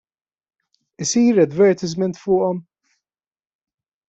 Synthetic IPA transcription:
ɪsiːɾɐd̪vɛɾt̪ɪzmɛnt̪fʊːʔɔm

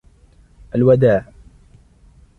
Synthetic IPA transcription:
ʔalwad̪aːʕ

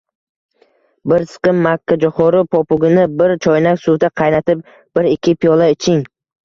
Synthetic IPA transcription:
bɪɾsɨ̥qɨmːakʰʲːad͡ʒʊχɔɾɪpʰɒpʊɡʲɪnɪbɪɾt͡ʃʰɒjnakʲsud̪aqʰɑjnat̪ʰɪp̚ | b̥ɪɾɪkʲːɪpʰijɒlˠaɪt͡ʃʰɪŋ

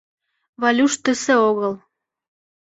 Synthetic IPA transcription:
βɑlʲuʃt̪ə̆sĕoɣəl

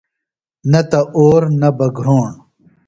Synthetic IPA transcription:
nɐt̪ɐʔoːɾnɐbɐɡʱɾoːɳ

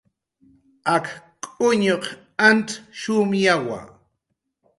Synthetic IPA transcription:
akkʼʊɲoq | antʃʊmjawa̰

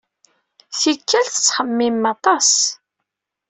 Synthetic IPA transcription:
θikʰːælθə̥t͡sːχəmːimːɑt̪ˤɑs

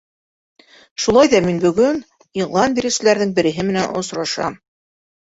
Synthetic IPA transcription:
ʃulˠɑjðɑminbɵ̆ɡɵn | iʁlˠɑnbiɾɘ̆wsɘ̆læɾðɘŋbɘ̆ɾɘ̆ɦɘmɘ̆nænŏ̰sɾɑʃɑ̰m

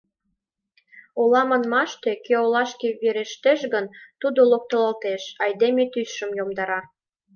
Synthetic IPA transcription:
olɑmɑnmɑʃt̪ekøolɑʃkeβeɾeʃt̪eʃɡənt̪ud̪olok̚t̪olɑlt̪eʃɑjd̪emet̪ysʃəmjomd̪ɑɾɑ

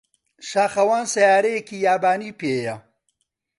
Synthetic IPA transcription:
ʃaːxɐwaːnsɐjaːɾejekijaːbaːnipejɐ

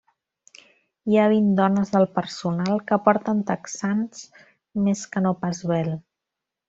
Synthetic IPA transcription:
iaβ̞ind̪ɔnəzðəlˠpəɾsunalˠkəpɔɾt̪ənt̪əksans | meskənopazβɛl

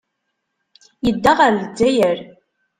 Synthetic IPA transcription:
jəd̪ːaʁəɾədːæjəɾ

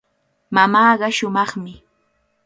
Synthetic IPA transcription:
mamaːɢɑʃʊmɑχmɪ

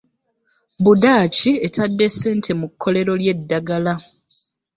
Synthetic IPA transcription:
budaːcietadːe̞seːntʰe̞mukʰːo̞le̞ɾo̞lje̞dːaɡala

